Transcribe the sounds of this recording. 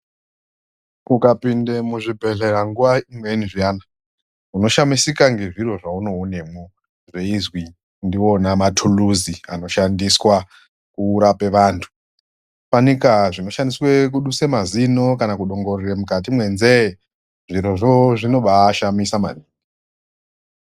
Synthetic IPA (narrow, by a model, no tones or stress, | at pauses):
ukapindemuʐibʱe̞ɬeɾaŋɡuʋaimweniʐijaːna | uno̞ʃamisikaŋɡe̞ʐiɾo̞ʐauno̞une̞mo | ʐe̞izwi | ndio̞namatʰuluziano̞ʃandiswa | kuːɾape̞ʋaːntʰu̥ | panikaʐino̞ʃandiswek̬uɗuse̞mazino̞kanakuɗo̞ŋɡo̞riremukat̬imwe̞nze | ʐiɾoʐoʐino̞ɓaːʃamisama̰niːe